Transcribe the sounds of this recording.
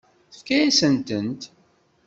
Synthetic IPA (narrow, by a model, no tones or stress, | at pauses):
θə̥fkæjæsənt̪ənt̪